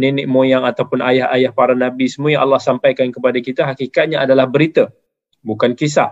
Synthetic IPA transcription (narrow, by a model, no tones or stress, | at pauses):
ninɪʔ̚mojaŋat̪awpʊnʔajahajahpaɾanabisəmujaʔa̰lːahsampajkankəpadakit̪əɦakikat̪̚ɲaʔadalahbəɾit̪ə | bukankis̬a̰